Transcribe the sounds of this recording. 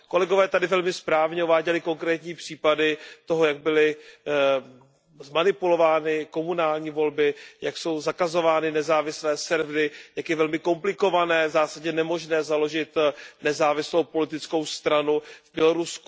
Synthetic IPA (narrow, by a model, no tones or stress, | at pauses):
ko̞lɛɡo̞vɛːt̪adɪvɛlmɪspɾaːvɲɛuvaːɟɛlɪko̞ŋkɾɛːt̪ɲiːpr̝̥iːpadɪt̪oɦojaɡ̚bɪlɪ | zmanɪpulo̞vaːnɪko̞munaːlɲiːvo̞lbɪjakso̞wzakazo̞vaːnɪnɛzaːvɪslɛːsɛɾvɾɪjakjɛvɛlmɪko̞mplɪko̞vanɛːvzaːsaɟɲɛnɛmo̞ʒnɛːzalo̞ʒɪt̪nɛzaːvɪslo̞wpo̞lɪt̪ɪt͡sko̞wst̪ɾanuvbjɛlo̞ɾusk